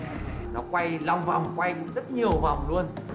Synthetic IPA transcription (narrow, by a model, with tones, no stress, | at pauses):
nɔ˨˦kwa˧jla˧wŋ͡mva˨˩wŋ͡mkwa˧jkʊ̰˧˥ŋ͡mzə˦˥t̚ɲi˨˩əwva̰˨˩wŋ͡mlu˧ən